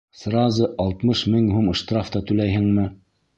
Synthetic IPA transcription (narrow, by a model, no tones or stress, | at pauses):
srɑzɤʔɑlˠt̪mɤʃmɘŋɦumɤ̆ʃt̪raft̪ɑt̪ʉlæjɦɘ̆ŋmɘ